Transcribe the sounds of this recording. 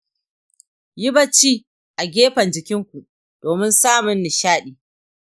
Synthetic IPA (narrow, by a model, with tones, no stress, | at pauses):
jɪ˦bɐ˦t͡ʃiː˦ | ʔa˨ɡʲeː˦ɸɐ˨nd͡ʒɪ˨kʲɪ˦ŋkʷu˨ʔ | d̥oː˨mɪ˦nsaː˦mʊ˨nːɪ˨ʃaː˦ɗiː˨